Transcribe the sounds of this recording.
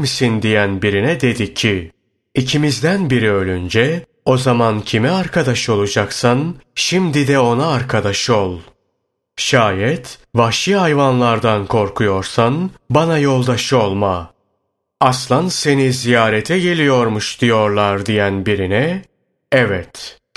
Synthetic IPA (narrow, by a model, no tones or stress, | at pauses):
msind̪ijænbiɾinɛd̪e̞d̪icʰːi | icʰimizd̪ænbiɾiø̞lʲynd͡ʒɛ | o̞zamancʰimɛaɾkʰad̪aʃo̞lˠud͡ʒaksanʃimd̪id̪ɛo̞naːɾkʰad̪aʃolˠ | ʃaːjɛt̪vaʃiɦajvanlˠaɾd̪ankʰo̞ɾkʰujo̞ɾsanbanajo̞lˠd̪aʃɯo̞lˠma | aslˠanse̞nizijaːɾɛt̪ʰɛɟe̞lʲijo̞ɾmuʃd̪̥ijo̞ɾlˠaɾd̪ijænbiɾinɛ | ɛvɛt̪